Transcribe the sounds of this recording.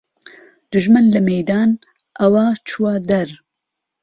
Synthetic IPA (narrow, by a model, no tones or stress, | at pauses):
d̪̥uʒmɨnlɐmejd̪aːn | ʔɐwaːt͡ʃʰuwad̪ɐɾ